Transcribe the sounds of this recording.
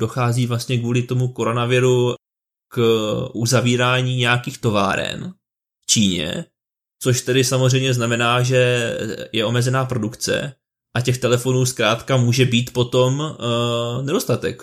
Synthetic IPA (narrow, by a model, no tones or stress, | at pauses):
do̞xaːziːvlast̪ɲɛkvuːlɪt̪o̞muko̞ɾo̞navɪɾu | kʔuzaviːɾaːɲiːɲɛjakiːxt̪o̞va̰ːɾɛ̰n | ft͡ʃiːɲɛ̰ | t͡so̞ʃt̪ɛdɪsamozrɛjmɲɛznamɛnaːʒɛjɛʔo̞mɛzɛnaːpɾo̞dukt͡sɛ̰ | ʔacɛxt̪ɛlɛfo̞nuːskɾaːt̪kamuːʒɛbiːt̪po̞t̪o̞m | nɛdo̞st̪at̪ɛk